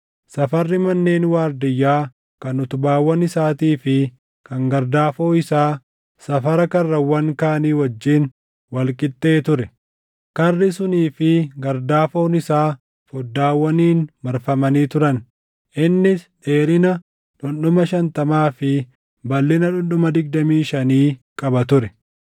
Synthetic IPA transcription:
sɐfɐrːɪmɐnːeːnwaːɾd̪ɪjːaː | kɐnʊt̪ʊbaːwːɐnɪsaːt̪iːfɪ | kɐŋɡɐɾd̪aːfo̞ːɪsaː | sɐfɐɾɐkɐrːɐwːɐŋkaːniːwɐd͡ʒːiːn | wɐlkʼɪt̪ːe̞ːt̪ʊɾɛ | kɐrːɪsʊniːfɪɡɐɾd̪aːfo̞ːnɪsaː | fɔd̪ːaːwːɐniːnmɐɾfɐmɐniːt̪ʊɾɐn | ʔɪnːɪsᶑe̞ːɾɪnɐ | ᶑʊnɗʊmɐʃɐnt̪ɐmaːfɪ | bɐlːɪnɐᶑʊnɗʊmɐd̪ɪɡ̚d̪ɐmiːʃɐniːkʼɐbɐt̪ʊɾɛ

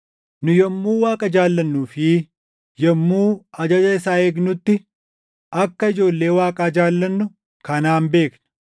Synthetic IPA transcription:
nʊjɛmːuːwaːkʼɐd͡ʒaːlːɐnːuːfɪ | jɛmːuːɐd͡ʒɐd͡ʒɐɪsaːeːɡnʊt̪ːɪ | ɐkːɐɪd͡ʒo̞ːlːe̞ːwaːkʼaːd͡ʒaːlːɐnːʊ | kɐnaːmbe̞ːknɐ̥

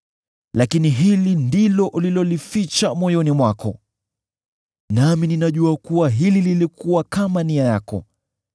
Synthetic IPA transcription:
lakiniɦilindilɔʔulilɔlifit͡ʃamɔjɔnimwakɔ̰ | namininaʄuakuwaɦilililikuwakamaniajakɔ̰

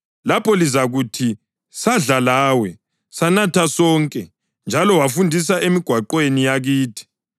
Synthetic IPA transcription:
lapɔlizaɣutʰi | saɮalaːwɛ | sanatʰasɔːŋkʼɛ | nd͡ʒʱalɔwafundʱis̬aʔemiɡ̥ʱwaǃwenijaɣiːtʰi̥

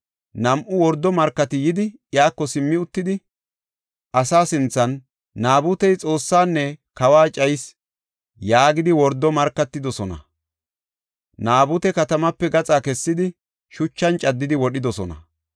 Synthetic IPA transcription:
nɐmʔʊwɔɾd̪ːɔmɐɾkːɐt̪ɪjɪd̪ɪjaːkːɔsɪmːɪʊt̪ːɪd̪ɪ | ʔɐsaːsɪnt͡sːɐnː | aːbʊt̪ɛjt͡sʼo̞ːsːaːnːɛkɐwaːt͡ʃʼɐjs | jaːɡɪd̪ɪwɔɾd̪ːɔmɐɾkːɐt̪ːɪd̪ɔsɔnɐ̰ | naːbʊt̪ɛkɐt̪ɐmɐpːɛɡɐt͡sʼaːkɛsːɪd̪ɪ | ʃʊt͡ʃːɐnt͡ʃʼɐd̪ːɪd̪ɪwɔɗɪd̪ɔsɔnɐ̰

